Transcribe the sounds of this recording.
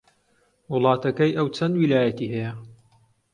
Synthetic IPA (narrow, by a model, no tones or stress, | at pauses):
wʊlˠɑːt̪ɐkɐjʔɐwt͡sʰɐnd̪wilaːjɐt̪iːɦɐjɐ